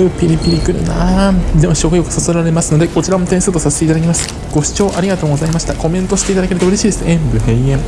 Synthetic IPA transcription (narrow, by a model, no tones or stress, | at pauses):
ɯpʲiɾʲipʲiɾʲikɯ̟ɾɯ̟̰nad̪emoɕiokɯ̟jo̞kɯ̟̥sosoɾaɾe̞masɨno̞d̪e̞ko̞t͡ɕiɾamo̞t̪eɰ̃sɨːt̪o̞sase̥t̪e̞it̪ad̪ak̬ʲimasɨ̥ | ɡ̥o̞ɕi̥t͡ɕo̞ːʔaɾʲiɡat̪o̞ːɡo̞zaimaɕi̥t̪ako̞mẽ̞nt̪o̞ɕi̥t̪e̞it̪ad̪ake̞ɾɯ̟t̪oɯ̟ɾe̞ɕiːd̪esɨẽmbɯ̟ɦeiẽm